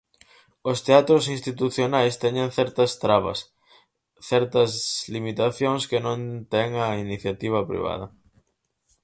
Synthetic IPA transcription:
ost̪eat̪ɾosĩnst̪it̪uθjonajst̪ɛɲẽŋθɛɾt̪ɐst̪ɾaβɐ̰s | θɛɾt̪ɐzlimit̪aθjõŋskɪnõnt̪ɛŋɐiniθjat̪iβ̞ɐpɾḭβ̞a̰ðɐ

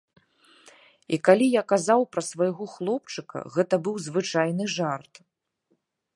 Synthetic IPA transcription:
ikalʲijakazawpɾɐsvɐjɣɔxlˠɔpt͡ʂɨkɐ̰ɣɛt̪ɐbɨwzvɨt͡ʂajn̪ɨʐart̪

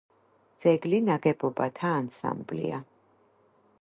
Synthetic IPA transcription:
d̪z̥ɛɡlinaɡɛbɔbat̪ʰaːnsa̰mblḭa

